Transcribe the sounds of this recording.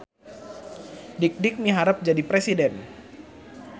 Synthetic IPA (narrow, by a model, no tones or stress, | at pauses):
dik̚dɪk̚miɦaɾəp̚d͡ʒadipɾesidɛn